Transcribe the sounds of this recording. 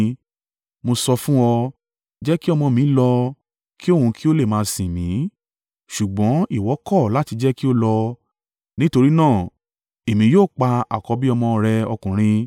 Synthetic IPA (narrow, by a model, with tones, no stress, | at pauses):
mo˧sɔ˧fũ˦ɔ˧ | d͡ʒɛ˦ki˦ɔ˧mɔ̃˧mĩ˨˦lɔ˧ | ki˦o˦˨hũ˧ki˦o˦le˦˨mãː˨˧sĩ˨mĩ˨˦ | ʃu˨ɡ͡bɔ̃˨˦i˦˨wɔ˨˦kɔ˦˨la˨˦ti˧d͡ʒɛ˦ki˦o˦lɔ˧ | nĩ˦to˧ɾi˦nãː˦˨ | e˨mĩ˧joː˦˨k͡pa˧a̰˨kɔ˨˧bi˦ɔ˧mɔ̃˧ɾɛ˧ɔ˧kũ˨ɾ̃ĩ˧